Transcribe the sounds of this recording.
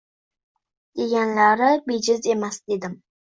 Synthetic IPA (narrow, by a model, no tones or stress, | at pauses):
d̪̥eɡʲanlaɾɪbed͡ʒɪzemasd̪ed̪ɪm